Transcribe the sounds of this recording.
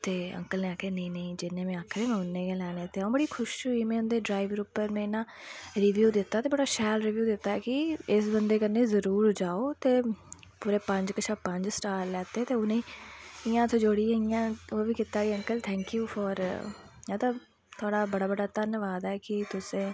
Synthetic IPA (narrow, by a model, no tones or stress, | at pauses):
t̪eːə̰̃ŋkəlnẽːaːkʰeːnəĩnəĩːd͡ʒɪnẽːmɛ̃ːaːkʰɾeːmɛ̃ːʊnːẽːkɛ̃ːlɛːnẽːt̪eːəõːbəɽiːkʰʊʃuiːmẽːʊnd̪eːɖɾaːɪʋɾʊpəɾmẽːɪnãːɾiːʋjuːd̪ɪt̪ːaːt̪eːbəɽaːʃɛːlɾiːʋjuːd̪ɪt̪ːaːɛːkɪɪs̬bənd̪eːkənːẽːzəɾuːɾd͡ʒaːoːt̪eː | puːɾeːpə̃ɲd͡ʒkət͡ʃʰaːpəɲd͡ʒsʈaːɾlɛːt̪eːt̪eːʊnẽiːɪjãːt̪ʰõːd͡ʒoɽiːeːɪjãːoːʋiːkɪt̪ːaːɡiːəŋkəlt̪ʰɛ̃ːŋkjuːfʰɔːɾ | ãːt̪a | t̪ʰʊaːɽaːbəɽaːbəɽaːt̪ənʋaːd̪ɛːkɪt̪ʊsẽː